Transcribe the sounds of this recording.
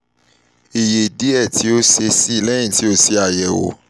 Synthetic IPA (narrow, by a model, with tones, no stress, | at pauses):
i˨je˨di˨˦ɛ˦˨tʰi˨˦o˦se˧sĩ˦˨lɛ̃˦ĩ˦˨ti˨˦o˧se˧a˨jɛ˨wo̰˨˦